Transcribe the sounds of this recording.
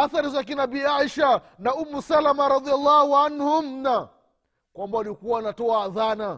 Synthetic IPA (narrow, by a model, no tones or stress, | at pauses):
aθaɾizak̬inabiːaʃa | naumusalamaɾɑðialːɑhuanhum̩na | kwambaalikuwaːnatɔaːðana